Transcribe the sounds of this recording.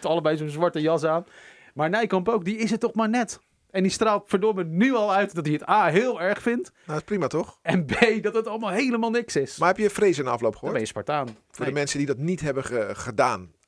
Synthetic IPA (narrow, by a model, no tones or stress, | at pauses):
tɑlˠəbɛjzonzʋɑɹtəjɑs̬aːn | maːɹnɛjkɑmpowk̚diɪsətːɔχmaːɹnɛt | ɛndistraːlˠtfəɹdʊɹmənyɑlˠœɥtdɔt̚diətaːɦɪːlˠɛɹχfɪntnaɪsprimatɔχɛnbejdɔtətɑlˠəmaːlˠɦejləmaːlˠnɪksɪsmahɛpjəfrejzənɑflowpχəʋbɛjəspɑɹtaːn | fʊːɹdəmɛnsədidɔtnitɦɛbəəχədaːn